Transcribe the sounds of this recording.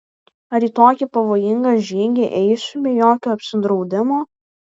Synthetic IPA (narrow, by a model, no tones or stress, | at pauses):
ɐɾiːt̪oːkʲiˑpɐʋoːjɪŋɡɐʒʲiːɡʲeʔɛɪsʲʊbʲɛjoːkʲoːɐpʲsʲɪnd̪ɾɒʊd̪ʲɪmoː